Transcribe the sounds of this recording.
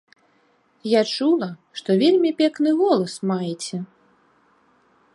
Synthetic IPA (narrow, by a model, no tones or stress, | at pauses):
jat͡ʂulˠɐʂt̪ɔvʲelʲmʲipʲɛknɨɣɔlˠɐsmajɛt͡sʲɛ